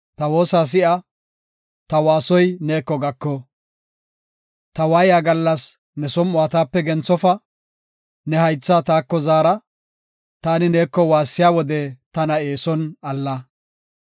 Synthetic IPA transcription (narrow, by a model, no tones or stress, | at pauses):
t̪ɐwo̞ːsaːs̬ɪʔɐ | t̪ɐwaːsɔjneːkːɔɡɐkːɔ | t̪ɐwaːjaːɡɐlːɐs | nɛsɔmʊaːt̪aːpːɛɡɛnt͡sːɔfɐ | nɛhɐjt͡sːat̪aːkːɔzaːɾɐ | t̪aːnɪneːkːɔwaːsːɪjaːwɔd̪ɛt̪ɐnɐe̞ːsɔnɐlːɐ